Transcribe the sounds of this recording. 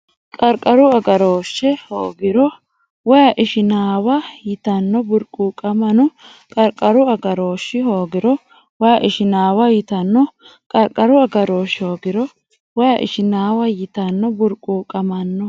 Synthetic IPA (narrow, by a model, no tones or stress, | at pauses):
kʼɐɾkʼɐɾʊɐɡɐɾoːʃːɛhoːɡɪɾɔ | wɔjɐʔɪʃɪnaːwɐjɪt̪ɐnːɔbʊɾkʼːuːkʼɐmɐnʊ | kʼɐɾkʼːɐɾʊɐɡɐɾo̞ːʃːɪhoːɡɪɾɔ | wɔjɐʔɪʃɪnaːwɐjɪt̪ɐnːɔ | kʼɐɾkʼɐɾʊɐɡɐɾoːʃɪhoːɡɪɾɔ | wɔjɐʔɪ̰ʃɪnaːwɐjɪt̪ɐnːɔbʊɾkʼːuːkʼɐmɐnːɔ